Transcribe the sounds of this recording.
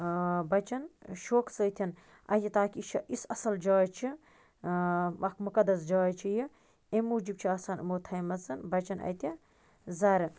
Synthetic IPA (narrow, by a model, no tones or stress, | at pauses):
bɐt͡ʃɐnʃoːksəjt̪ʰɐn | ɐ̰jt̪ʰʲit̪aːkit͡ʃʰɐʔisɐsɐld͡ʒɐːt͡ʃʰi | ʋɐkmukɐd̪ɐsd͡ʒɐːt͡ʃʰiji | emuːd͡ʒib̚t͡ʃʰiaːsaːnɨ̰moːt̪ʰɐjmɐsɐnbɐt͡ʃɐnɐ̰jt̪ʰʲi | zɐɾɐ